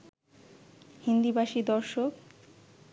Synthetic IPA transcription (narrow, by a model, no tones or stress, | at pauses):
hind̪ibaʃid̪ɔɾʃok